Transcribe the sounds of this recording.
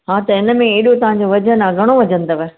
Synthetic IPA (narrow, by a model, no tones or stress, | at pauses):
ɦãːt̪ɐɪnə̆mẽeːɗot̪ɐʋãɲ̆d͡ʑoʋɐd͡ʑənɐɡʱəɽ̃oʋɐd͡ʑə̃nd̪oʋe